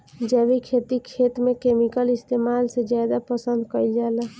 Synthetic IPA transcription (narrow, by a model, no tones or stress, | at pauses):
d͡ʒɛbikʰet̪ikʰet̪mekemikəlist̪emalsed͡ʒjad̪apəsənd̪kəjld͡ʒalɛ